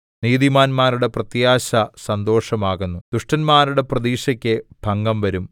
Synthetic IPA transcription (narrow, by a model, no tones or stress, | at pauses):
niːðimaːnmaːɾuɽe̞prɐt̪jaːɕɐsɐnd̪o̞ːʂɐmaːɣunːud̪̥uʂʈɐnmaːɾuɽe̞prɐðiːʂɐkʲːeb̥ʱɐŋɡɐmʋɐɾum